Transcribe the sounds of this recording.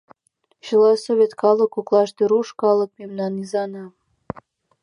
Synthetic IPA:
ɕəlɑsoβʲet̪kɑlə̆kuklˠɑʃt̪eɾuʃkɑlɤ̆k̚memnɑnizɑnɑ

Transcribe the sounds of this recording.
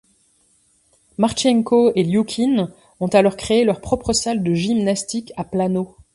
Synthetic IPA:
maʁt͡ʃɛŋkoeljukʲʰin | ɔ̃t̪alɔʁkχeelœʁpχɔpχəsald̪əʒimnast̪ikaplano

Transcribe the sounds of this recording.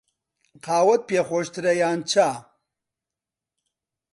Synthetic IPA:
qaːwɐt̪̚pexoːʂt̪ɾɐjaːnt͡ɕʰa

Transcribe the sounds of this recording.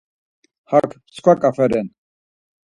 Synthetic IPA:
hakʰt͡skʰʷwakʼafɛɾɛn

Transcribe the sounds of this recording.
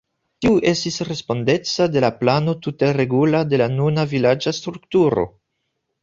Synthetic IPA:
tiuʔe̞stisɾe̞spo̞nde̞t͡sade̞laplano̞tute̞ɾe̞ɡulade̞lanunavilad͡ʒastɾuktuɾo̞̰

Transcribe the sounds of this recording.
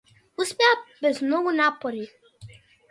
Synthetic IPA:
uspɛabɛzmnɔɡunapoɾi

